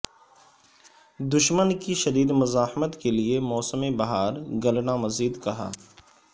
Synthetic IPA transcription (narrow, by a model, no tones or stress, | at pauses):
d̪ʊʃmənkiʃɐd̪iːd̪mʊzaːhmət̪keliemɔːsəmebɐɦaːɾɡɐlnamɐziːd̪kɐɦa̰ː